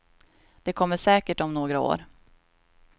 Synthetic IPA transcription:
d̪̥ɛkʰɔmːəʂɛːkəʈɔmnoːɡɾao̰ːɾ

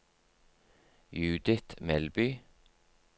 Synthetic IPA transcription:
jʉːd̪ɪt̪mɛlbyː

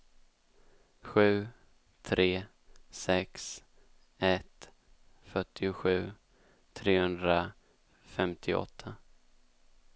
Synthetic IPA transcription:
ɧʉ̟ː | t̪ʰɾeː | sɛks | ɛt̪ | fœʈʰːɪʊɧʉ̟ː | t̪ʰɾeːhɵnd̪ɾa | fɛmt̪ʰɪʔɔ̰t̪ʰːa

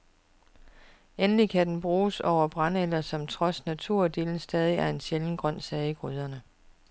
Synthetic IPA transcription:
enəlikʰæd̥enb̥ʁuːsɒʊ̰ɐb̥ʁɑ̈nelɐsɒ̽mt͡sʰʁɒ̽snæt͡sʰuɐ̰d̥e̝̰ːln̩sd̥ɛːð̞ˠiæɐe̝nɕeln̩ɡ̥ʁɶn̰sɛːiɡ̥ʁyð̞ˠɐnə

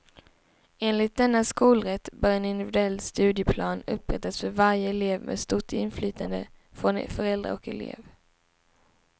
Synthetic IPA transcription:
eːnlɪt̪̚d̪ɛnːaskuːlɾɛt̪ːbœɾɛnɪnd̪ɪvɪd̪ɵɛlːst̪ʉ̟ːd̪jəpʰlɑːnɵpːɾɛ̰t̪ːasfœɾvaɾjəɛleːvmʔḛːd̪st̪ʊʈːɪnflyːt̪ʰand̪ə̰fɾɔn̰fœɾɛld̪ɾa̰ɔkɛ̰lḛːv

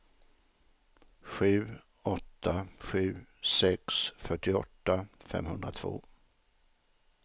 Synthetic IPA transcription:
ɧʉ̟ː | ɔt̪ːaɧʉ̟ːsɛksfœʈːɪɔt̪ːafɛ̰mhɵnd̪ɾat̪ʰvo̰ː

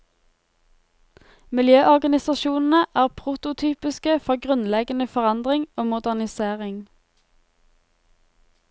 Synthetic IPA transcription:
mɪljøːʔɔʁɡɑnɪsɑʃuːnn̩əʔæːʁpʰʁʊt̪ʊt̪ʰyːpɪskəfɔʁɡʁʉnlɛɡənəfɔʁɑnd̪ʁɪŋoːmʊd̪æʁnɪseːʁɪŋ

